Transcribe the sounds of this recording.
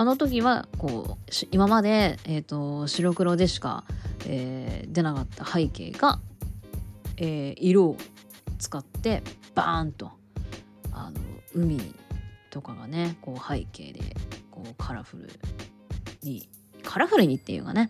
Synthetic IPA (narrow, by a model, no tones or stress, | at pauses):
ano̞t̪̬o̞k̬ʲiβako̞̰ːɕimamad̪e̞ːt̪ːo̞ɕiɾo̞kɯ̟ɾo̞d̪e̞ɕi̥ka̰eːd̪e̞nakat̪ːahaike̞̰ːɡ̥a | eːiɾo̞ːt͡sɨ̥kat̪ːe̞b̥a̰nt̪o̞ | a̰no̰ɯ̟mʲḭt̪o̞kaɡane̞ko̞ːhaike̞̰ːd̪e̞̰ko̞ːkʰaɾaɸɯ̟ɾɯ̟̰ | ɲi | kʰaɾaɸɯ̟ɾɯ̟ɲ̟it̪ːejɯ̟̰ɡa̰ne̞